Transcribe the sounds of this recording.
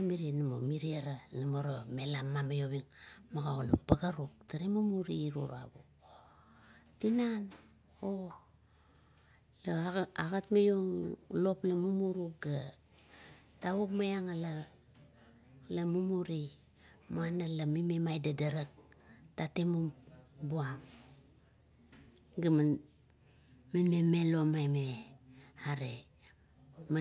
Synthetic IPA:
amiɾinamomiɾiaɾanamoɾome̞lamːamajoβiŋmaɡaolupaɡaɾuk̚taɾemumuɾiːɾṵɾa̰βṵ | tinan | o | laaɣatmajoŋlo̞plamumuɾukɡa | tawukmajaŋala | lamumuɾi | manalamimemajdadaɾak̚tatemubuam | ɡam | mememelomajme | aɾe | ma

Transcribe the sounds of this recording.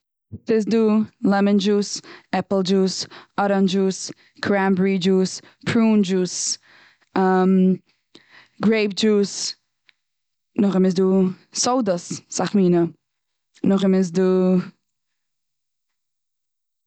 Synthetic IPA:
sɪsduːlɛmənd͡ʒuːsɛpl̩ˠd͡ʒuːsɔɾand͡ʒuːs | kʰɾambɹid͡ʒuːs | pʰɾuːnd͡ʒuːs | am | ɡɹeɪbd͡ʒuːs | nʊχɪmɪs̬duːsoʊdəsːaχmiːnə | nʊχɪmɪs̬duː

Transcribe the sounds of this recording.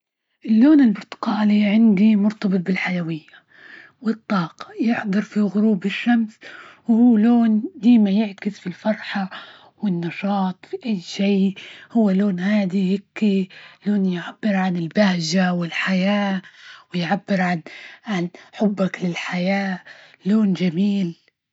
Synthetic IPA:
ʔɪlːoːnɪlbʊɾt̪ɪ̥qɑːliʕɪnd̪imʊɾt̪ɑbɨt̪̚ˤbɪlħajawɪjːa | wɨt̪ˤːɑːqɑ̥jɪħd̪ˤɑɾˤfiɣʊɾuːbɪʃːamswhuːloːnd̪iːmajɪʕkɪsfilfɑɾˤħa | wɪnːɑʃɑːt̪ˤfiʔajːʃiːhʊwːaloːnhaːd̪ihɪkːiloːnjʕabːɪɾʕanɪlbahʒawɪlħajaːwɪjʕabːɪɾʕanʕanħʊbːaklɪlħajaː | loːnd͡ʒamiːl

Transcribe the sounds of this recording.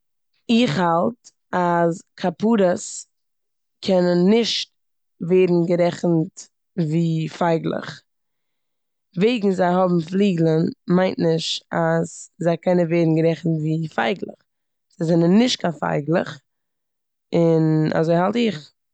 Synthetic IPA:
ɪχhalˠt | askʰapuːɾəs | kʰɛnənːɪʃt̚ | veɪdn̩ɡəɾɛχn̩t | viːfaɪɡlˠɪ̰χ | veɪɡŋ̩zaɪhɔbm̩flˠiːɡlˠənmaɪntnɪʃtazzaɪkɛnənveɪdn̩ɡəɾɛχn̩tviːfaɪɡlˠə̰χ | z̥aɪzɛnənːɪʃt̚kafa̰ɪɡlˠə̰χ | ɪna̰zoɪhalˠtɪχ

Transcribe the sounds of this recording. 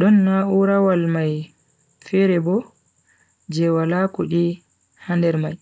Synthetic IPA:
ɗɔnːauɾawalmaj | fɛɾɛbɔ | d͡ʒɛwalakuɗi | handɛɾmaj

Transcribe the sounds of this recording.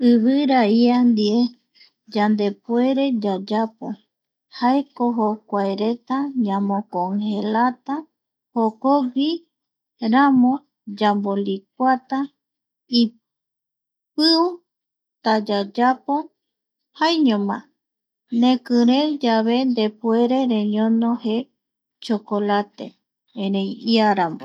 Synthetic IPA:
ɨβɨɾaiand̪ie | d͡ʒand̪e̞pueɾe̞d͡ʒad͡ʒapo̰ | haekoɦokʷaeɾet̪aɲãmõkoŋhelat̪a | hokoɡi | ɾamõ | d͡ʒambolik̚ʷat̪a | i | p̚ɨu | t̪ad͡ʒad͡ʒapo | hajɲõmã̰ | nẽkɨɾed͡ʒaβe̞nd̪epweɾe̞ɾeɲõnohe | t͡ʃokolat̪ḛ | ẽɾẽjiaɾambo

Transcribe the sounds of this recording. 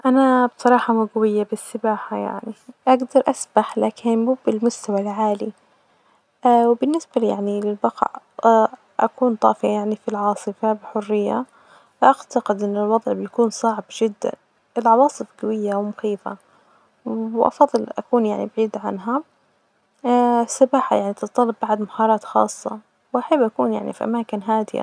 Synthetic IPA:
ʔanabsˤɑɾˤɑːħɑmuɡawɪjːabɪsːɪbaːħaja̰ʕniʔaɡd̪ɑɾˤʔasbaħlaːkʰɪnubɪlmʊst̪awalʕaːli | wbɪnːɪsbalja̰ʕnilɪlbɑqɑ̰ʕ | ʔa̰kuːnt̪ˤɑ̰ːfɪajaʕnifilʕɑːsˤɨfabɪħʊrːɪjːa | ʔaʕt̪aqɪd̪ʔɪnːɪlwɑd̪ˤʕbɪjakuːnsˤɑʕbʒɪd̪ːa̰n | ʔɪlʕɑwɑːsˤɨfɡawɪjːawmʊxiːfa̰ | wʔɑ̰fɑðˤːɨlʔa̰kuːnjaʕnibaʕiːd̪ʕa̰nɦa | sɑbaːħa̰jaʕnit̪ɨt̪t̪ˤːɑlːɑbːaʕd̪mahɑːɾˤɑːt̪xɑ̰ːsˤːɑ̰ | wʔaħabːʔakṵːnja̰ʕnḭfiʔa̰maːkɪnɦaːd̪ɪja̰

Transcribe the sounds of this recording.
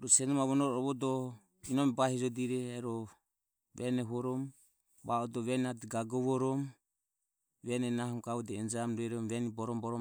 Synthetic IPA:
ɾɔsɛnɔmaβɔnɔɾɔɔβɔdɔ | inɔmɛbahid͡ʒɔdiɾɛːɾɔ | wɛnɛɦɔɾɔm | baɔdɔβɛnadɛɡaɡɔβɔɾɔm | βɛnɛnaɦɔmkaɔdɛɛnd͡ʒamɾuɛɾɔmβɛnibɔɾɔmbɔɾɔ

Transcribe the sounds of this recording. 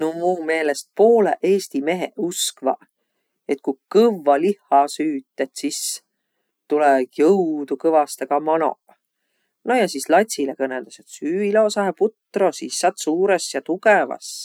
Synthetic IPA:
nomuːme̞ːlest̪̚poːlḛʔeːst̪ime̞ɦḛuskvɑ̰ | e̞t̪̚kukɤvːɑlihːˑɑsyːt̪ːˑet̪sis | t̪ulɛkjɤwd̪̥ukɤvɑst̪eɡ̥ɑmɑno̞̰ | nojɑsislɑt̪ʲsilekɤnːeld̪̥ɑset̪syːileosɑheput̪ːro̞sisːɑt̪suːɾesjɑt̪uɡevɑ̰s

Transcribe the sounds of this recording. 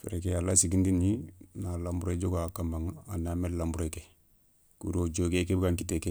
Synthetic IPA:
fḛɾekealːasiɡindininalambuɾed͡ʒoɡakambaŋanamellambɾeke | kuɾod͡ʒoɡekebkaŋkiteke

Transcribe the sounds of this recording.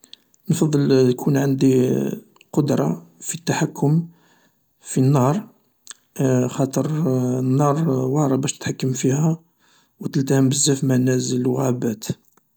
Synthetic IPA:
nfɑd̪ˤːəlt̪kʰunʕand̪i | qod̪ɾˤɑfit̪ːaħakːʊm | finːɑɾˤ | xɑt̪ˤəɾˤnːɑɾˤwɑɾˤɑbæʃt̪ə̥t̪ħakːəmfihæ | wt̪əlt̪æhəmbəzːæfmænæzəlwɣæbæt̪

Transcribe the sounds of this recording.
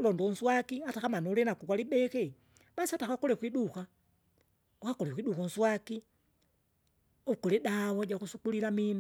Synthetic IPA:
londonswakiataxamanulenakukwaliɓexe | masataxakolekwiduxa | uxakolexwiɗuxonswaki | ukoleɗawod͡ʒakusukuliɾamina

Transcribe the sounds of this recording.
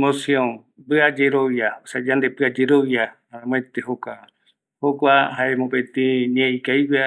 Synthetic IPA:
mosjõn | bɨad͡ʒeɾojaosad͡ʒãnd̪epɨad͡ʒeɾoja | aãm̃ẽt̪ehokʷa | hokʷaɦaemõpet̪ĩɲĩẽĩkajwa

